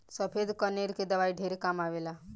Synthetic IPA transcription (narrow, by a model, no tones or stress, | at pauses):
səpʰed̪kəneɾked̪əʋajɖʱeɾekamaʋela